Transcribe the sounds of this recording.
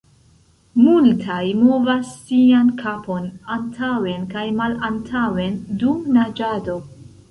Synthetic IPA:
multʰajmovasːiankʰapʰo̞nantʰawe̞nkajmalantʰawe̞ndumnad͡ʒado̞

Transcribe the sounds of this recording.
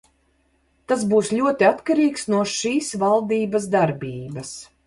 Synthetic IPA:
t̪asbuːsʎʲuɔt̪iat̪kaɾiːksnuɔʃiːsvalˠd̪iːbasd̪aɾbiːbɐs

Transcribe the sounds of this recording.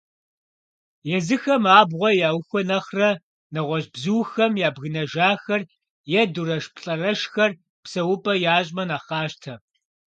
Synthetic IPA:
jɛzɨxɐmaːbʁʷɔjaːwxʷɔnɐχrɐ | nɐʁʷɔɕbzuːxɐmjaːbɣɨnɐʒaːxɐr | jɛduɾɐʃpʰɬʼɐrɐʃxɐr | psɐwʊpʼɐjaːɕʼmɐnaːχɑːʃtʰɐ

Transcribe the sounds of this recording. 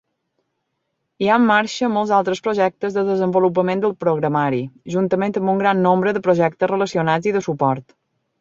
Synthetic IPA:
iaəmːaɾʃəmɔlˠzalˠt̪ɾəspɾoʒɛk̚t̪əzðəðəzəmbulup̬əmend̪əlˠpɾoɣɾəmaɾiʒunt̪əmẽnt̪əmbuŋɡɾanːombɾəðəpɾoʒɛk̚t̪əsrələsiunad͡ziðəsupɔɾt̪

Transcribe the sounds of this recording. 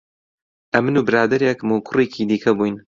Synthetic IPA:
ʔɐmɨnuːbɨɾaːd̪ɐɾjɛkmoːkʰʊreːkʰiːd̪iːkʰɐbuːjn

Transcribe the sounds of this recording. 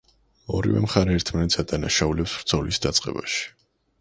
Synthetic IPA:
ɔɾivɛ̰mχaɾɛːɾt̪ʰmanɛt̪sʰad̪anaʃaulɛpsɾt̪sʰɔlisd̪at̪sʼqʼɛba̰ʃi̥

